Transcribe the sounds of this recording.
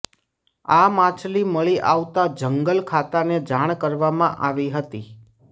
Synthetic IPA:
amãt͡ʃʰliməɭiʔaʋt̪ad͡ʒəŋɡəlkʰat̪aned͡ʒaɳ̃kəɾʋamãʔaʋiɦət̪i

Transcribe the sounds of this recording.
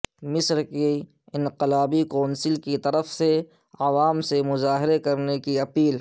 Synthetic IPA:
mɪsɾke | ɪ̃nqɪlaːbikɔːnsɪlkit̪ɐɾəfse | aʋaːmsemʊzaːɦɪɾekɐɾnekiɐpiːl

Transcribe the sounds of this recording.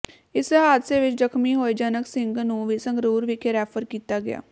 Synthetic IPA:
ɪsɦaːd̪seːʋɪt͡ʃd͡ʒəkʰmiːɦoːid͡ʒənəksɪŋɡnũːʋiːsəŋɡɾuːɾʋiːkɪɾɛːfʰəɾkiːt̪aːɡɪja̰ː

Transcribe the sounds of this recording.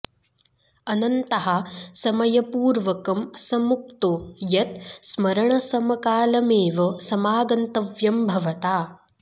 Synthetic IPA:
ɐnɐnt̪ɐɦɐsɐmɐjɐpuːɾʋɐkɐmsɐmuk̚t̪ojɐt̪̚smɐɾɐɳɐsɐmɐkaːlɐmeːʋɐsɐmaːɡɐnt̪ɐʋjɐmbʱɐʋɐt̪aː

